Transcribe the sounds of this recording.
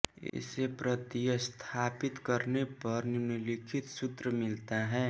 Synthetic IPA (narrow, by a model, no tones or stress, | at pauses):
ɪ̰sepɾət̪ijəst̪ʰaːpɪt̪kəɾnepɐɾnʊnlɪkʰɪt̪sʊt̪ɾəmɪlt̪aɦɛː